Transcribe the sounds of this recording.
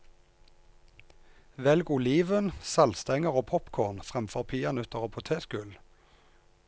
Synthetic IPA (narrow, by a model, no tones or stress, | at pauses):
ʋɛlɡʊliːʋənsɑlst̪ɛŋəʁoːpʰɔpkʰoːʁnfʁɛmfɔʁpʰiːɑnʉt̪əʁoːpʰʊt̪ʰeːskʉl